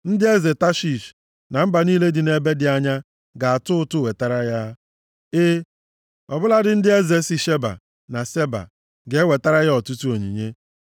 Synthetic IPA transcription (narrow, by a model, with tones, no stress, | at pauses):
n̩˦dɪ˦e˦ze˨ta˦ʃi˨ʃ | na˨m̩˦ba˨niː˦le˦dɪ˨ne˦be˦dɪ˨a˦ɲa˦ | ɡa˨a˨tʊ˦ʊ˦tʊ˦we˨ta˦ɾa˦ja˦ | e˦ | ɔ˨bʊ˦la˦dɪ˦n̩˦dɪ˦e˦ze˨si˨ʃe˦ba̰˨ | na˨se˦ba̰˨ | ɡe˨˦we˨ta˦ɾa˦ja˦ɔ˨tu˦tu˦o˨ɲḭ˨ɲe˦